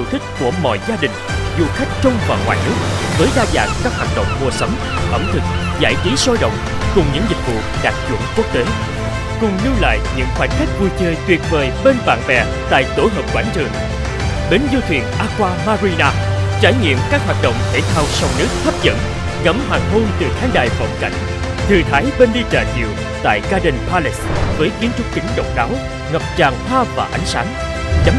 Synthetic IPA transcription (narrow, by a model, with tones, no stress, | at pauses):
u˧˩t̪ʰï˦˥k̟̚ku˧˩əmɔ̰˧˨jzaː˧ɗï˨˩ŋ̟zṵ˧˨xa˦˥jk̟̚t͡ɕə˧wŋ͡mvaː˨˩wŋwa̰ː˨˩jnɨ˦˥ək̚vəː˨˦jɗaː˧za̰ː˧˩nkaː˦˥k̚waː˨˩t̚ɗə̰˧˨wŋ͡mmu˨˩əsə˨˦wŋ͡m | ʔə˧˩mt̪ʰɨ˨˩k̚za̰ː˧˩jt͡ɕi˨˦sɔ˧jɗə̰˧˨wŋ͡m | kʊ˨˩ŋ͡mɲɨ̰˧˥ŋzï˨˩k̟̚vṵ˧˨ɗaː˨˩k̚zṵ˧˨ənku˦˥ək̚t̪e˨˦ | kʊ˨˩ŋ͡mɲɨ˧la̰ː˧˨jɲɨ̰˧˥ŋxwaː˧˩nxʰa˦˥jk̟̚vu˧jt͡ɕəː˧jt̪wi˨˩ət̚veː˨˩jɓe˧nɓa̰ː˧˨nvɛ˨˩ | t̪a̰ː˧˨jt̪o˧˩ɦəː˨˩p̚kwaː˧˩nt͡ɕɨ˨˩əŋ | ɗe˨˦nzu˧t̪ʰwḭ˨˩ənʔaː˧kwaː˧maː˧ɾi˧naː˧t͡ɕaː˧˩jŋḭ˧˨əmkaː˦˥k̚ɦwaː˨˩t̚ɗə̰˧˨wŋ͡mt̪ʰe˧˩t̪ʰaː˧wsa˧wnɨ˦˥ək̚t̪ʰə˦˥p̚zə̰˧˨n | ŋə˧˥mɦaː˨˩ŋɦo˧nt̪ɨ˨˩t̪ʰaː˨˦ŋɗa̰ː˧˨jfə̰˧˩nka̰˧˨jŋ̟ | t̪ʰɨ˨˩t̪ʰaː˨˦jɓe˧nɗi˧t͡ɕaː˧˨˩zḭ˧˨w | t̪a̰ː˧˨jɣaː˧ɗə˨˩npʰaː˧li˦˥svəː˨˦jki˨˦ənt͡ɕʊ˦˥k͡p̚kï˨˦ŋ̟ɗə̰˧˨˩wŋ͡mɗaː˨˦w | ŋə˨˩p̚t͡ɕaː˨˩ŋt̪ʰwaː˧vaː˨˩ʔa˨˦jŋ̟saː˨˦ŋ | za˨˦